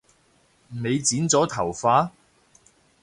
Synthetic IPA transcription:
m̩˨˩me˨˧jt͡siː˨˥nt͡sɔː˨˥t̪ʰɐ˨˩wfaː˧˥

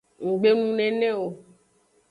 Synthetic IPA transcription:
ŋ̩˨ɡ͡be˦nũ˦nɛ̃˨nɛ̃˦wo˨

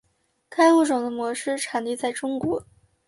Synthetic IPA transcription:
kʰa˥ɪxu˥˩ʈ͡ʂʊ˨˩ŋd̪ə˦mwɔ˧˥ʂɻ̩˥ʈ͡ʂʰa˨˩nli˥˧t͡sa˥˩ɪʈ͡ʂʊ˥ŋkwɔ˧˥

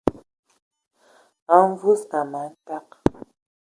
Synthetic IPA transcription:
a˨˦ɱ˦vu˦sa˨ma˨˦n̩˦ta˦k̚

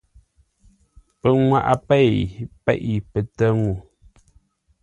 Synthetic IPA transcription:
pə˨ŋwa̰˨ʔa̰˨pɛ˦˨pɛ̰˦˨ʔi˨pə˨tə˦ŋu˨

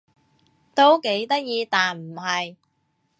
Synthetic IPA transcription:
t̪o˥wke˨˥jt̪ɐ˥k̚jiː˧t̪aː˨nm̩˨˩ɦɐ˨j

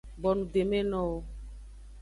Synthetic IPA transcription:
bɔ˨nũ˨de˨me˦nɔ̃˦wo˦

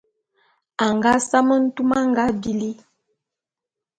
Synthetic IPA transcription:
a˨ŋɡa˦sa˦mə˦n̩˦tu˦ma˦ŋɡa˦bi˦li˦

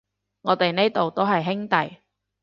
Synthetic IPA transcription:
ŋɔː˨˧t̪e˨jne˥t̪o˨wt̪o˥ɦɐ˨jɦɪ˥ŋt̪ɐ˨j

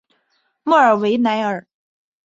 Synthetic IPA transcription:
mɔ˥˩ə˞˨˩we˧˥ɪna˧˥ɪə˞˨˩

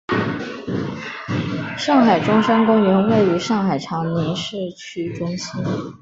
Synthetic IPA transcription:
ʂɑ˥˩ŋxa˨˩ɪʈ͡ʂʊ˥ŋʂa˥nkʊ˥ŋɥɛ˧˥nwe˥˩ɪy˧˥ʂɑ˥˩ŋxa˨˩ɪʈ͡ʂʰɑ˧˥ŋnjɛ˧˥nʂɤ˥˩t͡ɕʰy˥ʈ͡ʂʊ˥ŋɕi˥n

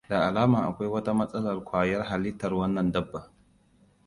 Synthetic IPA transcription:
da˨ʔa˨laː˦maː˨ʔa̰˨kʷa˦jwɐ˦ta˦mɐ˦sʼɐ˦lɐ˨rkʷaː˨jɐ˦rɦa˨li˦tɐ˨ɾwɐ˦nːɐ˨ndɐ˦bːa˨

